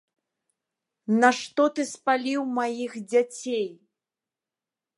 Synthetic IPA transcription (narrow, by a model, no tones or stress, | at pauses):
nɐʂt̪ɔt̪ɨspalʲiwmajixd͡zʲat͡sʲej